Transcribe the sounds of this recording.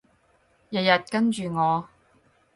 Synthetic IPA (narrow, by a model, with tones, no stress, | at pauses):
jɐ˨t̚jɐ˨t̚kɐ˥nt͡ʃyː˨ŋɔː˨˧